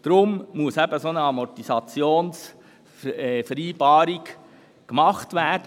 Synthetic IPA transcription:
d̪̥ɾʊmmuəsæbəsoːnəɑmɔtisɑt͡sjoːns | ɛfəɾiːbɑːɾiɡ | kmɑχtvʋæːd̥ə

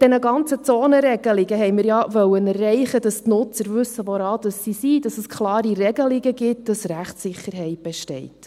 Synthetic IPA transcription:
d̥ɛnəɡɑnt͡sət͡soːnəɾɛɡ̥əliɡ̥əɦɛɪmɪɾjɑʋœwənærːɛɪχədɑstnʊt͡səɾvɵsːəʋoɾɑːd̥ɑsːisid̥ɑsəskʰχlɑːɾiɾɛɡəliɡəɡɪtd̥ɑsɾæχtsɪχːəɾɦɛɪt̚b̥eʃtɛɪt

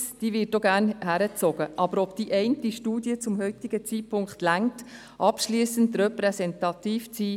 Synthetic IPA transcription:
d̥iːvɪːtoɡæːɾnhæɾət͡sɔɡ̥əʔɑbəɾɔpd̥iʔɛɪntiʃtuːdiət͡sʊmhœʏt̪iɡət͡sipʰʊŋkχtlæŋt | ʔɑpʃliːsəntrɛpɾɛsɛntɑtiːft͡siː

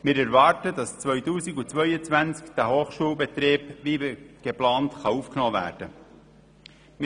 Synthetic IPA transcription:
mɪːɾæɾvɑːɾtədɑst͡svœʏtuːsiɡut͡sʋœʏət͡svænt͡skd̥æhoːχʃuːlˠbet̪ɾeːb̥ʋiːɡ̥eplɑːntχɑuːfknɔːvæ̰ːɾd̥ə | m

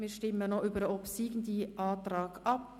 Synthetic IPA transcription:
miːʃtɪmːənoʔyːbəɾəɔpsiːɡn̩diʔɑːtrɑːɡɑp

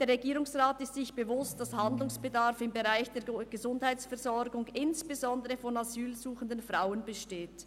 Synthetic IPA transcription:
d̥eːɐɾʁeɡiːʁʊŋsʁaːtɪstsɪçb̥əvʊstd̥ashandlʊŋsb̥ədaʁfɪmbeʁaɪçd̥eːɐɡ̥əzʊndhaɪt͡ssfɛɐzɔɾɡʊŋɪnsb̥ezɔndəʁəfɔnazyːlzuːxən̩dənfʁaʊənbəʃteːt

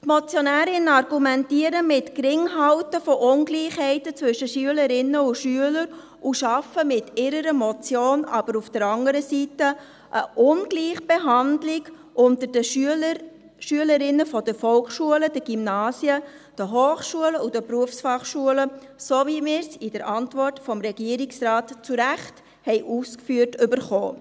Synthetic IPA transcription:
t̪mɔt͡sjɔnæːɾɪnəɑɾɡ̥umɛntiəɾəmɪtkɾɪŋɦɑʊtəfɔʔʊnɡliːχhɛɪtət͡svʏʃəʃyələɾɪnːəuʃyələɾ | uʃɑfəmɪtʰɪɾəɾəmɔt͡sjoːnɑ̰b̥əɾufd̥əɾɑŋəɾəsitə | ʔəʔʊnɡ̥liːχb̥eɦɑndlɪɡ | ʔʊntəɾdəə | ʃyələɾɪnəfɔdəfɔlkʃuələd̥əɡ̥imnɑːsjə | d̥əɦoːχʃuələudəpɾuəfsfɑχʃuələ | sovimɪːɾsɪd̥əɾʔɑntvɔrtfɔmɾɛɡ̥iəɾiksrɑːtt͡suɾæχt | hɛɪʔuːskfyərtʏbəɾχoː

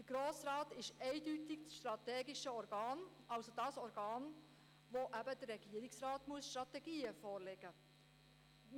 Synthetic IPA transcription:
d̥əɡ̥ɾoːsɾɑːtɪʃɛɪdytɪksʃt̪ɾɑt̪ɛːɡiʃəɔɾɡɑːn | ɑwsodɑːsɔɾɡɑːn | ʋoʔæbədərːɛɡ̥iəɾɪksɾɑːt̪muəsʃtɾɑt̪ɛɡiːəfɔːɾlɛɡ̥ə

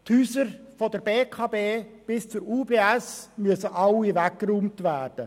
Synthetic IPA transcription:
t̪hyːsəɾfɔdəɾbeːkʰɑːbeːb̥ɪst͡suɾuːbeːæsmyəsəʔɑlivækːɾuːmtʋæːrd̥ə

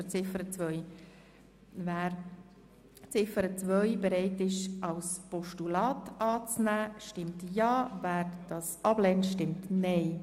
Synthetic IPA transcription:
ət͡sɪfəɾət͡svœj | væːɾ | t͡sɪfəɾət͡svœʏjbəɾɛɪtɪʃɑlspɔʃtulɑːtɑːt͡snæːʃtɪmtjɑːvæːɾd̥ɑsɑb̥lɛntʃtɪmtnɛɪ

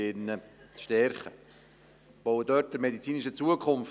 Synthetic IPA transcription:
ɪnəʃtɛɾχə | b̥owədœt̚d̥əmedit͡siːnɪʃət͡suəkʰʊmf

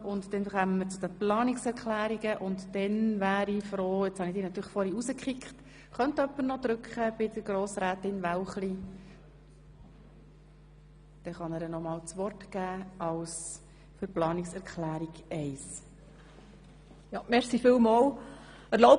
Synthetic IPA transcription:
ʊntd̪ɛnχœːməmːəɾt͡sud̥̪əplɑːnɪksɛɾkχlæːɾiɡəʔʊnt̪d̥ɛnvæːɾifɾoːɪt͡shɑnid̥̪iːnɑt̪yːɾəχfɔɾiusəkχɪkχt̪ | χœnt̪œpːəɾnɔd̪ɾʉkχəb̥ɪd̪əɾɡɾoːsɾæːtɪnʋæwχli | d̪̥ɛχɑnəɾənɔmɑːwt͡sʋɔrtɡ̥æːɑws | fʏɾplɑːnɪksɛɾkʰχlæːɾiɡ̥ɛɪs | jɑmɛɾsifɪlmɑːl | əɾlo

